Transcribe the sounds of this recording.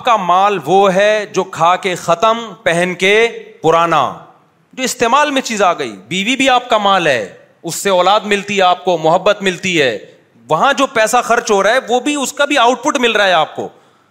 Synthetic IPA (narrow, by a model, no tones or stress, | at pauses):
p̚kamaːlʋoɦɛd͡ʒoːkʰaːkexɐt̪əmpɛɦɛnkepʊɾaːna̰ | d͡ʒoːɪst̪eːmaːlmẽt͡ʃiːzaːɡɐḭːbiːʋibʱiaːp̚kamaːlɦɛ̰ː | ʊsːeɔːlaːd̪mɪlt̪iɦɛaːp̚komʊɦəbːət̪mɪlt̪iɦɛː | ʋɐɦãd͡ʒoːpɛːsaxɐɾt͡ʃɦoɾaːɦɛʋobʱiʊskabʱiaːʊʈ̚pʊʈmɪlɾaɦɛaːp̚ko̰ː